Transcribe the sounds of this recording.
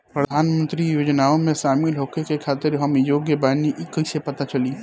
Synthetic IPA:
pɾəd̪ʱaːnmə̃nt̪ɾijoːd͡ʒnaːõmẽsaːmiːlɦoːkekekʰaːt̪ɪɾɦɐmjoːɡjebaːniʔkɐisepɐt̪at͡ʃɐliː

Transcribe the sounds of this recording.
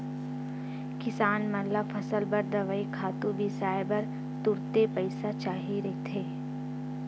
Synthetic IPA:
kɪsaːnmɐlafʰɐsəlbɐɾd̪əʋəikʰaːt̪ũbʱisaːjbəɾ | t̪ʊɾt̪epɐɪsat͡ʃaːɦiɾɐit̪ʰeː

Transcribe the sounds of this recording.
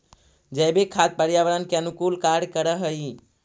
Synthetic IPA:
d͡ʒəːbekʰat̪̚pəɾijaʋəɾankeənʊkuːlkaɾɖkəɾəɦəi

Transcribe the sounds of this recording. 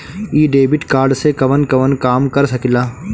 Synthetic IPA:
iːɖeːbɪʈkaːɾɖsekɐʋənkɐʋənkaːmkɐɾsɐkilaː

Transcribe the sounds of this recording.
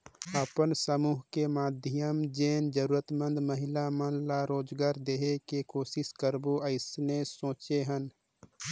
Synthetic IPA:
əpənsəmuːɦkemaːd̪ʱɪjəmd͡ʒeːnd͡ʒəɾuːɾət̪mə̃nd̪məɦɪlamənlaɾoːd͡ʒɡaːɾd̪eːɦekekoːsɪskəɾboʔəɪsnesõːt͡ʃeɦən

